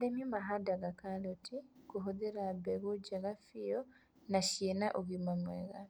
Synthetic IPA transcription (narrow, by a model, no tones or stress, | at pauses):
lemimaɦadaɡakalotʰikuɦuðiɾabeɣuɟeɣafijo | naʃenaʔuɣimamweɣa